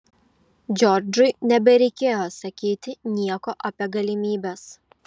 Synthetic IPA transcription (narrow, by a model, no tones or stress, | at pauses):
d͡ʒʲɔɾd͡ʒʊɪnʲɛbʲɛɾʲɛɪkʲeːjosɐkʲiːt̪ʲɪnʲiɛkoːʔɐpʲiɛɡɐlʲɪmʲiːbʲɛs